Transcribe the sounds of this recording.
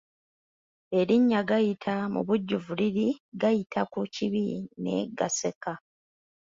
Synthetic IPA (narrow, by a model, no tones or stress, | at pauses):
e̞ɾiɲːaɡajitʰamṵβuɟːuvuliɾiɡajitʰakuciβine̞̰ɡase̞ka